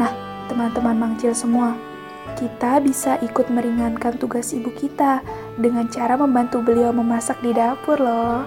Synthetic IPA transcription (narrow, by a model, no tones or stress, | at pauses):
nah | t̪əmant̪əmanmaŋt͡ʃɪlsəmua | kit̪abisaʔikʊt̪̚məɾiŋankant̪uɡasibukit̪a | dəŋant͡ʃaɾaməmbant̪ubəliawməmasak̚didapʊrlɔ